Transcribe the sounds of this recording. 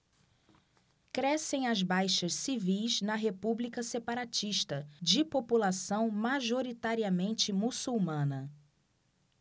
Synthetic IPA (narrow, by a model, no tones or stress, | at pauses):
kɾɛsẽj̃ɐzbajʃɐssivijznɐɦepublikɐsepaɾat͡ʃiʃt̪ɐd͡ʒɪpopulasɐ̃w̃maʒoɾit̪aɾiɐmẽnt͡ʃɪmusuwmɐ̃nɐ